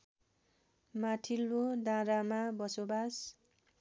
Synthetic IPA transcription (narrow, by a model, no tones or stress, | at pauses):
maʈʰilːod̪ãɾamabʌsobas